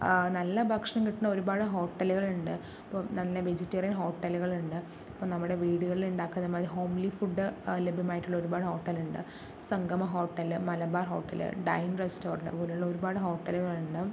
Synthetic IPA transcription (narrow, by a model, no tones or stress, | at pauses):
nɐlːɐbʱɐkʂɐɳɐmkiʈːunːɐo̞ɾubaːɽɨɦo̞ːʈːɐluɣɐɭuɳɖɨ | ɐpːomnɐlːɐʋed͡ʑetːɐrjɐnɦo̞ːʈːɐluɣɐɭuɳɖɨ | ɐpːomnɐmːuɽe̞ʋiːɽuɣɐɭiluɳɖaːkːunɐðɐmaːðiɦo̞ːmlifuɖːɨlebʱjɐmaːjiʈːuɭːɐoɾubaːɽɨho̞ːʈːɐluɳɖɨ̰ | sɐŋɡʱɐmɐɦo̞ːʈːɐlɨmɐlɐbaːrɦo̞̰ːʈːɐ̰lɨ̰ɖɐjnresto̞ːrɐɳɖɨ̰poːleuɭːɐo̞ɾubaːɽɨɦo̞ːʈːɐluɣɐɭuɳɖɨ